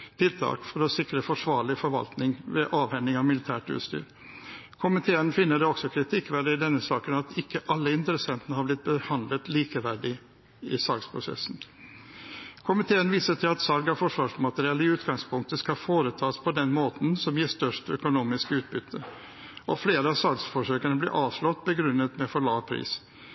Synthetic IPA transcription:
t̪ʰɪlt̪ʰɑ̰ːkfɔɾɔsɪkɾəfɔʂʋɑːɾɭɪfɔɾʋɑ̰lt̪nɪŋʋɛʔɑːʋhɛnːɪŋɑʋmɪlɪt̪ʰæːʈʉ̰ːt̪st̪y̰ːɾ | kʰʊmɪt̪ʰeːənfɪnːəɖɛɔksɔkʰɾɪt̪ʰɪkːʋæɖəɪd̪ɛnːəsɑːkənɑt̪ɪkːəʔɑlːəɪnt̪əɾəsɛnt̪ənəhɑɾblɪt̪̚bəhɑnd̪lət̪liːkəʋæɖɪ | ɪsɑkspʰɾʊsɛ̰sn | kʰʊmɪt̪ʰeːənʋiːsəʈʰɪlɑt̪sɑlɡɑfɔʂʋɑːʂmɑt̪əɾɪɛlːəɪʉːt̪ɡɑŋspʰʊŋk̚t̪əskɑfoːɾət̪ʰɑːspʰɔd̪ɛnmoːt̪n̩sɔmjiːʂt̪œʂʈœ̰kʊnuːmɪskəʉːt̪̚bʏt̪ʰːə | ʔɔfleːɾəɑsɑlɡsfɔʂøːkənəblɪ̰ʔɑːʋʂlɔt̪ːbəɡɾʉnːət̪mɛfɔɭɑːpʰɾḭːs

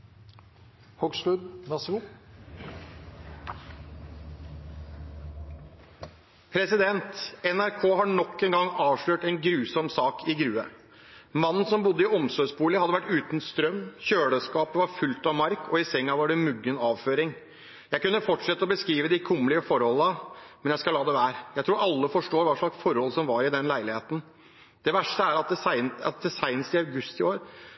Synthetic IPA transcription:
hɔɡʂʈʉd̪nɑsu | pʰɾɛsɪd̪ɛnt̪ɛnæɾkʰoːhɑɳɔkːɛnɡɑŋɑːʋʂɭøːʈɛnɡɾʉːsɔmsɑːkʰɪɡɾʉːə̰ | mɑnn̩sɔmbʊd̪ːəɪɔmsɔsbuːləhɑd̪əʋæʈːʉːt̪nst̪ɾœmːçøːɽəskɑːpəʋɑɾfʉlt̪ɑʋmɑɾkʰːɔɪsɛŋːɑʋɑɖɛmʉɡːənɑːʋføːɾɪŋ | jæɪkʉnːəfɔʈʂɛt̪ːəɔbəskɾiːʋəd̪ɪkʰʊmːlɪəfɔɾhɔlːəmɛnjæɪskɑlɑːd̪ɛʋæːɾjæɪt̪ʰɾuːɾɑlːəfɔʂʈoːɾʋɑːʂɭɑksfɔɾhɔlːsɔmʋɑɾɪd̪ɛnlæɪlɪheːt̪n̩ | d̪̥ɛʋæʂʈəæɾɑt̪̚d̪ɛsɪɑ̰t̪̚d̪ɛsæɪnəst̪ɪɑʉɡʉst̪ɪoːɾ

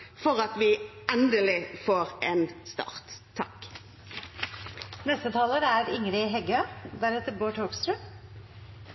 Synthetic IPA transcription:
fɔʁɑt̪ʋɪɛnd̪əlɪfoːʁeːnst̪ɑ̰ːʁt̪ʰːɑ̰k | nɛst̪ət̪ʰɑːləɾæːɾɪŋɾɪɦɛɡøːd̪æɾɛt̪əɾboːʈʰoːɡst̪ɾʉː

